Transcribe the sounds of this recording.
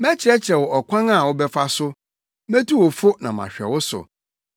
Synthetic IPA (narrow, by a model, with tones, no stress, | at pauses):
mɛ˦t͡ɕʰɪ˨ɛ˦t͡ɕʰɛ˨wɔ˨ɔ˨kʷʰã˦na˨wʊ˦bɛ˦fa˦sʊ˦ | mɛ̃˦tu˦wɔ˨fʊ˦nã˨mã̰˨ɕᶣɛ̰˨wʊ˦sʊ̰˨